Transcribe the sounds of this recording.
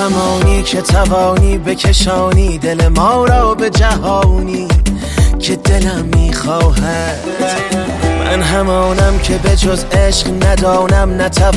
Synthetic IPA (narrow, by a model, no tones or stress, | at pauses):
æmɒːniːcʰe̞t̪ʰævɒːniːbe̞cʰeʃɒːniːd̪e̞lemɒːɾɒːbe̞d͡ʒæɦɒːniː | cʰe̞d̪e̞læmːiːxɒːɦæ | ddd̪̥ | mæ̰nɦæmɒːnæmcʰe̞be̞d͡ʒozeʃqnæd̪ɒːnæmnæt̪ʰæ